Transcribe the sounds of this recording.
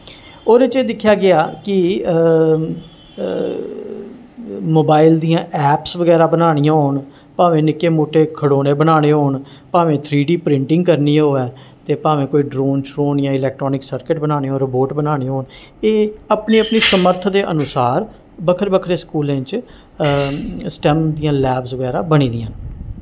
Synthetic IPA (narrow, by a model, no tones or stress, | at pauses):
oːɾeːt͡ʃeːd̪ɪkʰːjaːɡɪaːkɪ | moːbaːɪld̪ijãːʔɛːpsʋəɡɛːɾaːbənaːɽ̃ijãːɦoːɳ | pãːʋẽːnɪkːeːmoːʈːeːkʰəɽoːneːbənaːɽ̃eːɦoːɳ | paːʋẽːt̪ʰɾiːɖiːpɾɪ̃ɳʈɪ̃ŋɡkəɾniːoːɛː | t̪eːpaːʋẽːkoːiːɖɾoːnʃɾoːnjãːɪlɛːk̚ʈɾɔːnɪksəɾkɪʈbənaːneːɦoːɾəboːʈbənaːɽ̃ĩːɦoːn | eːəpniːəpniːsəməɾt̪ʰd̪eːʔənʊsaːɾ | bəkʰəɾbəkʰɾeːskuːlẽt͡ʃ | sʈɛːmd̪ijãːlɛːbsʋəɡɛːɾaːbəɽiːd̪ɪãːn